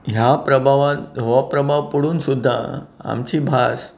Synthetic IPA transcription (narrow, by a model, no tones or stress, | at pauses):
ɦjapɾəbʱaʋãnɦoʋapɾəbʱaʋpuɽuːnsud̪ʱːa̰a̰mt͡ɕiːbʱas